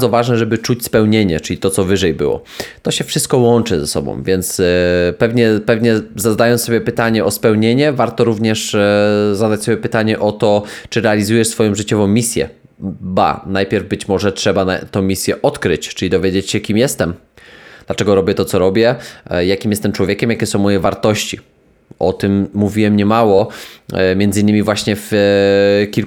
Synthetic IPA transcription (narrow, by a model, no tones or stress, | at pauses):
d̪zɔvaʐnɛʐɛbɘt͡ʂut͡ɕspɛwɲeɲɛ̰t͡ʂɘlʲit̪ɔt̪sɔvɘʐɛjbɘ̰wɔ̰ | t̪ɔɕɛfʂɘst̪̚kɔwɔnt͡ʂɘzɛsɔ̰bɔ̰̃w̃vʲjɛnt̪spɛvɲɛpɛvɲɛzad̪ajɔnssɔbʲjɛpɘt̪aɲɛʔɔspɛwɲeɲɛvaɾt̪ɔɾuvɲɛʂ | zad̪at͡ɕsɔbʲjɛpɘt̪aɲɛʔɔt̪ɔt͡ʂɘɾɛalʲizujɛʂsfɔjɔ̃w̃ʐɘt͡ɕɔvɔ̃w̃mʲisʲjɛ̰ | ba̰najpʲjɛɾvbɘt͡ɕmɔʐɛtʂɛbanat̪ɔ̃w̃mʲisʲjɛʔɔt̪kɾɘt͡ɕt͡ʂɘlʲid̪ɔvʲjed͡ʑet͡ɕɕɛkʲimjɛst̪ɛm | d̪lat͡ʂɛɡɔɾɔbʲjɛt̪ɔsɔɾɔbʲjɛjakʲimjɛst̪ɛmt͡ʂwɔvʲekʲɛmjakʲɛsɔ̃w̃mːɔjɛvaɾt̪ɔɕt͡ɕi | ɔt̪ɘmːuvʲiwɛmɲɛmawɔ | mʲɛnd̪zɘinːɘmʲivwaɕɲɛf | kʲil